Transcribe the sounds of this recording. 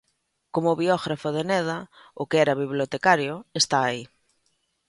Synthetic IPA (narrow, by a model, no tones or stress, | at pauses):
komʊβiɔɣɾafʊðenɛðɐ | ʊkeɛɾaβiβljot̪ekaɾjʊest̪aːi